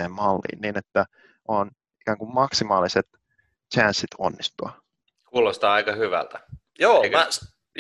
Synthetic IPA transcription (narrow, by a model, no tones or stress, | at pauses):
eːmmɑlːḭːnniːnet̪ːæ | ʔon | ikæːŋkummɑksimɑːliset̪ | t͡ʃænsːit̪ʰo̰nːist̪uɑ | kuːlost̪ɑːɑikɑhyʋæ̰lt̪æ | joːekæ